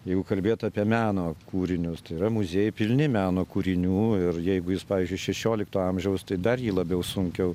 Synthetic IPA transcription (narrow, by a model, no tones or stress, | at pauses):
jɛɪɡʊkɐlʲbʲeːt̪ɑːpʲiɛmʲæːnoːkuːɾʲɪnʲʊst̪ɐɪiɾɐmʊzʲeːjʊpʲɪlʲnʲɪmʲæːnoːkuːɾʲɪnʲuːɪrjɛɪɡʊjɪspɑːʋʲiːzʲd͡ʒʲʊɪʃʲɛʃʲoːlʲɪkt̪oːɐmʲʒʲɛʊst̪ɐɪd̪ɐrjiːlˠɐbʲɛʊsʊŋʲkʲɛʊ